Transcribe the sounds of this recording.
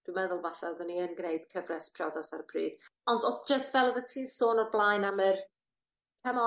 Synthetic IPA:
d̥wimɛðʊlˠvaɬɛðəniənɡneɨd̥kʰəvrɛspʰrɔdasaɾəpʰriːd̥ɔndɔd͡ʒəstvɛlˠəðətʰiːsoːnɔrblˠajnamər | kʰɛmɔ

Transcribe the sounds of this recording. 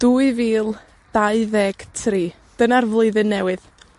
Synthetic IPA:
d̥uɨviːlˠ | d̥aɨðɛɡ̥tʰriː | d̥ənarvlˠʊɨðɨnːɛwɨð

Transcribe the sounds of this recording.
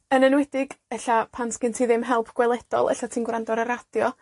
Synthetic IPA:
ənənwɛdɪɡɛɬapʰanskɪntʰiːðɪmɦɛlˠpʰɡ̥wɛlˠɛd̥ɔ̰lˠʔɛ̰ɬatʰiːnɡwrandɔɾəɾad̥jɔ

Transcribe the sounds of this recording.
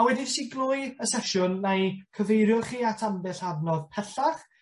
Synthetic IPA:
awɛdɪvsiɡlˠʊːɨəsɛʃʊnːajkʰəvejɾjʊrχiːatʰambɛɬavnɔðpʰɛɬaχ

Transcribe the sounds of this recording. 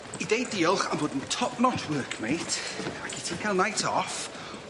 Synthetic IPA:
idejdiːɔlˠχamboːdn̩tʰɔpnɔtʰwɜːˑkʰmejtʰaɡɪtʰikʰaɪlˠnajtʰɔf

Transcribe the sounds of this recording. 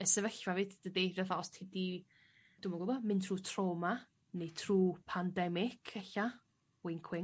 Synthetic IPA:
əsəvəɬvavɨːdd̥ədirəvaɔstʰɪdi | d̥ʊmɔɡəbɔmɪntʰruːtʰroːma | nejtʰruːpʰandɛmɪkʰɛɬa | wɪŋkʰwɪŋ

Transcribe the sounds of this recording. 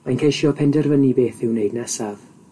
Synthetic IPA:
majnkʰejʃjɔpʰɛndɛrvənibeːθɪwnejdnasav̥

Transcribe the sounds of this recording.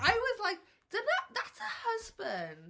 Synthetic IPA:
aɪwɒzlaɪk̚ | d̥ɪd̪̚ðəʔðatsəhʌzbə̃nd

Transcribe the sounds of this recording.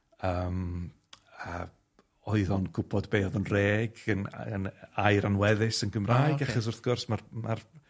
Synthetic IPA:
əːm | ə | ɔɨðɔnɡʰʊbʰɔdbeːɔðɔnreːɡənə̰najɾanwɛðɪsənɡəmraːjɡaχɔs̬ʊrθɡ̥ʊrsmarmar

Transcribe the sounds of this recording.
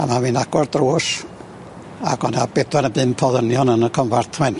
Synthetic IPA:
amaminaɡ̥wardruːs | a̰ɡɔnabɛdwɛnəbɨnpʰɔðənjɔnənəkʰɔmvartʰwɛn

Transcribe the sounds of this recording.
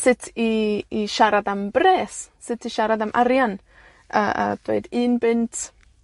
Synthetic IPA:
sɪtʰiːʃaɾad̪ambɾɛːssɪtiʃaɾad̪amʔaɾjan | ʔaa̰t̪wḛd̪inbɪnt

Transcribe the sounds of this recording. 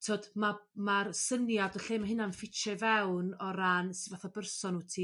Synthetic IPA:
tʰoːd̥mamarsənjadɔɬeːmaɦɪnanfɪt͡ʃɛvɛwnɔɾansvaθabərsɔnuːtʰiː

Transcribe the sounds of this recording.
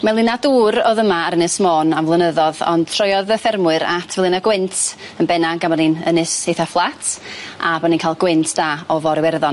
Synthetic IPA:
malˠɪnaduːɾɔðəmaːɾənɨsmoːnavlˠənəðɔðɔ̰nd̥tʰrɔjɔðəθɛrmʊɨɾatʰvɛlˠɨnaɡwɪntʰənbɛnaŋɡamaninənɨsejθaflˠatʰabɔninkʰaːlˠɡwɪntʰd̥aːɔvɔɾɪwɛrðɔn

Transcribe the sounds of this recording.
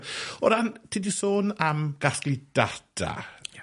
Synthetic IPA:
ɔɾantʰiːdisoːnamɡ̥asklˠid̥ad̥ʰa̰

